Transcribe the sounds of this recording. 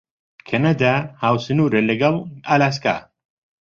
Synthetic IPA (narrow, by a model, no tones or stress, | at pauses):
kʰɐnad̪ahaːwsɨnuːɾɐlɐɡɐlaːlaːs̬ka̰